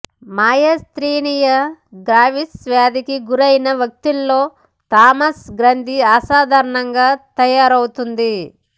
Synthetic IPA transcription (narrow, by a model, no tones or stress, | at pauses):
maːjɐst̪ɾiːnijɐɡɾaːʋisʋjaːd̪ikiɡuɾɐjnɐʋjɐk̚t̪ilːo̞ː | t̪aːmɐsɡɾɐnd̪iasaːd̪ʱɐɾɐɳɐŋɡaːt̪ɐjaːɾɐwut̪und̪i